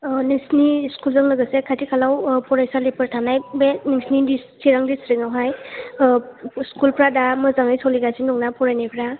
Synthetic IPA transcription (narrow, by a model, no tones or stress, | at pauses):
niŋsniskulzɯŋlɯɡɯsekʰatʰikʰalawpʰɔɾajsalipʰɯɾtʰanajbeniŋsnidisiɾaŋdisɾiŋawɦaj | skulpʰɾadamɯzaŋajsɔwliɡasinɔŋnapʰɔɾajnajpʰɾa